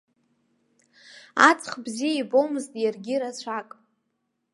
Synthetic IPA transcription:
at͡sʰʼχbzijaibo̞wmɨztʼjarɡʲiɾat͡ɕʷʰakʼ

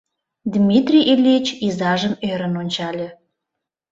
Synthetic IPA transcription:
d̪ʲmʲit̪rʲiʔelʲet͡ɕizɑʒəmøɾə̆nonʲt͡ɕɑlʲĕ

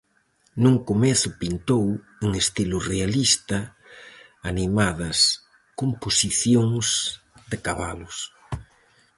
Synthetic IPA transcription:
nũŋkomeθʊpint̪ow | eŋest̪ilurealist̪ɐ | animaðɐs | komposiθjoŋs | d̪ekaβalʊs

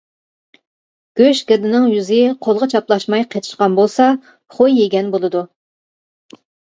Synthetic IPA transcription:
ɡ̥ʲøʃɡʲɪd̪ɪnɪŋjyzɪqʰolˠʁɑt͡ʃʰɑplˠɑʃmɑjqʰet̪ʰɪ̥ʃqɑnbolˠsɑ | χojːeɡʲɛnbolˠɨd̪u

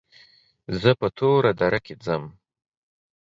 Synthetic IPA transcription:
zəpət̪ʰoɾad̪aɾʔaked͡zəm

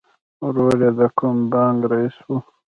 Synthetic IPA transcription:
ɾoːɾjed̪akumbɑːŋɡɾaiswu

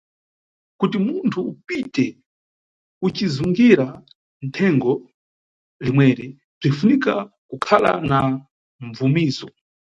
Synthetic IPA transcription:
kutimuntʰupitɛ | ut͡ʃizuŋɡiɾa | n̩tʰɛŋɡɔ | limwɛɾi | b͡ʐinfunika | kukʰala̰na | ɱvumiːzɔ

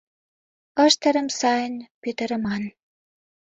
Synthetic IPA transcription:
əʃt̪ə̆ɾə̆msɑjənpøt̪ə̆ɾə̆mɑn

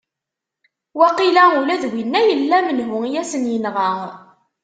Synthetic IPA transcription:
wæqilæulæðwinːæjəlːæmənɦʊijæsənjənʁa

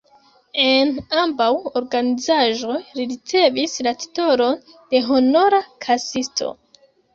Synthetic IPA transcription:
e̞nambawo̞ɾɡanizaʒo̞jɾiɾit͡se̞vislati̥to̞ɾo̞ | d̥e̞ɦo̞no̞ɾakʰasistʰo̞̰

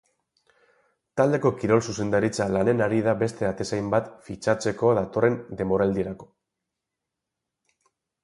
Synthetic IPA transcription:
t̪ald̪e̞ko̞kiɾo̞lsuse̞nd̪aɾit͡salane̞naɾið̞abe̞st̪e̞at̪e̞sajmbat̪fit͡ʃat͡se̞ko̞ðat̪o̞re̞nd̪e̞mo̞ɾald̪ieɾako̞̥

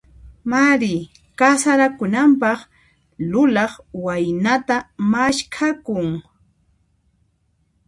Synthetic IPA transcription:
maɾɪ | kasaɾakʊnampɑχ | lʊlɑχwajnat̪amaʃkʰakʊŋ

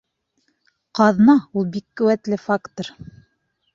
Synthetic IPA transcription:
qɑðnɑulˠbikːɵ̆wæt̪lɘfakt̪ŏɾ

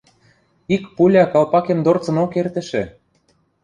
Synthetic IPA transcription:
ikpulʲɑkɑlpɑkemd̪ort͡sɤ̆nokert̪ə̆ʃĕ

